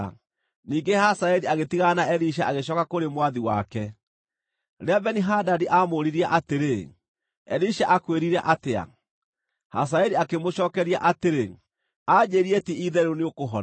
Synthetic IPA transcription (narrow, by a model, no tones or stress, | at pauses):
niːŋɡehasaɛɾiaɣetiɣanaɛɾiʃ̬aaɣeɕ̬ɔkakoɾemwaðiwa̰kɛ | ɾeabɛniɦadadiʔamoːɾiɾiaʔateɾe | ɛɾiʃaʔakweɾiɾɛʔatea̰ | ha̰s̬aɛɾiakemoɕɔːkɛɾiaʔateɾe | aɲeɾietiiðɛɾuneokoɦɔ